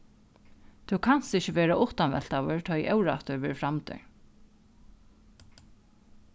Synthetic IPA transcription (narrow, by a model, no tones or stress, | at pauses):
t̪ʰukʰan̥st̪ɪçt͡ɕːɪʋɛːɾaʔʊht̪anʋɛ̰l̥t̪awʏɹt̪ʰɔjʔɛwɾa̰ht̪ʏʋɛːɾfɾamt̪ɪ̰ɹ